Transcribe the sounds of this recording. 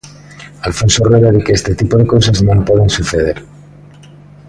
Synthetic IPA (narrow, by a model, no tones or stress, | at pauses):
alfo̞nsoreɾaðekeest̪et̪ipoðe̞ko̞saznõmpweðensuθeð̞e̞ɾ